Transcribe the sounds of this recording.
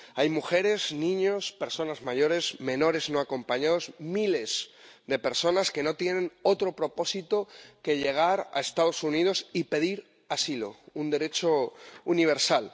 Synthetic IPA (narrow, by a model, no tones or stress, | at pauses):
ajmuxe̞ɾe̞znĩɲo̞spe̞ɾso̞nazmaʝo̞ɾe̞zmẽ̞no̞ɾe̞zno̞ako̞mpaɲaðo̞zmile̞zðe̞pe̞ɾso̞naske̞no̞t̪je̞nẽ̞no̞t̪ɾo̞pɾo̞po̞sit̪o̞ke̞ʎe̞ɣ̞aɾa̰e̞st̪að̞o̞sunið̞o̞sipe̞ðiɾ | asilo̞̰und̪e̞ɾe̞t͡ʃo̞uniβ̞e̞ɾsal